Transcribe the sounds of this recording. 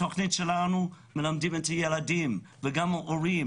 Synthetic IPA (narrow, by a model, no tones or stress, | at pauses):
ɔknitʃɛlanu | mɪlamdiməntʰəjɛladiːm | vəɡaməʔɔɹiːm